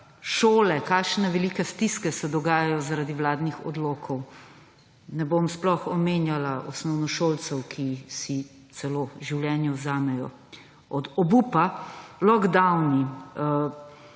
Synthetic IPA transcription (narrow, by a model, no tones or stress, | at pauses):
ʃoːlɛkaːʃnɛʋɛlikɛst̪iskɛsɛd̪ɔɡaːjajɔzaɾaːd̪iwlaːd̪nixɔ̰d̪loːkʰɔw | nɛbomsplɔxɔmeːnjalaʔɔsnɔwnɔʃoːlt̪sɛwkʰisi | t̪sɛloːʒiwljɛːnjɛwzaːmɛjɔ | ɔd̪ɔbuːpalɔɣd̪awni